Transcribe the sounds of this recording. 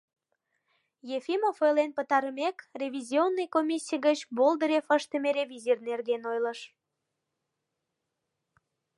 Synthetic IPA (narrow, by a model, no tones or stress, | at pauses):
jefimofojlenpət̪ɑɾəmekrʲevʲizionːəjkomʲisʲːijɣət͡ɕbolˠd̪əɾefəʃt̪əmeɾevʲizirnerɡenojləʃ